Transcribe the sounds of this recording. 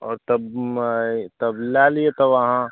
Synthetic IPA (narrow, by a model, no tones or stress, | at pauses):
ɔ̰ːɾt̪ɐb | t̪ɐblalijet̪ɐʋɐɦã